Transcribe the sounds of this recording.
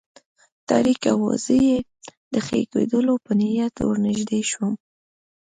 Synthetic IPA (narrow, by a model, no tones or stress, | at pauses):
t̪ɑ̰ɾika̰wa̰zəje | d̪əxḛkḛd̪əlopənɪhjat̪wə̰ɾnɪʒd̪eʃwəm